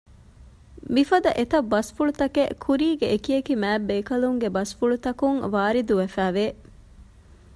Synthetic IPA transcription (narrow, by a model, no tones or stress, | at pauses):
mifɐd̪ɐʔet̪ɐbːɐsfuɭut̪ɐkekʰuɾiːɡeekiekimæːbːeːkɐluŋɡebɐsfuɭut̪ɐkuŋʋaːɾid̪uʋefæːʋeː